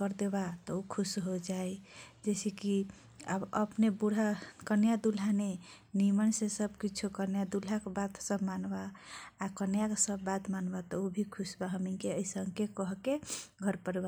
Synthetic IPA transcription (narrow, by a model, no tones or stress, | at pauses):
kəɾd̪ebat̪ɔukʰusɦod͡ʒajd͡ʒeseki | a̰bə̰pnebuɽ̤akənjad̪ul̤ane | nimənsẽsəbkit͡ʃʰukənjad̪ul̤akebat̪səbʱmanbaːkənjaksəbːat̪manbat̪ɔubʱikʰusbaɦəmikeəisəŋkekɔɦkeɡʱəɾpəɾiba